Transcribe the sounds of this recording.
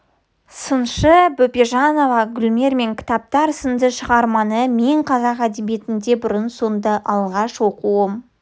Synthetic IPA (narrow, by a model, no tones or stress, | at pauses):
sənʃəbopʲeʒɑno̞vɑɡʲʏlʲme̞ɾme̞ŋkʲʰɪ̥t̪ɑp̚t̪ɑɾsənd̪əʃəʁɑɾmɑnəme̞ɴqʰɑzɑqæd̪e̞bije̞t̪ɪnd̪e̞bʊɾənsond̪ɑʔɑlˠʁɑʃwo̞quəm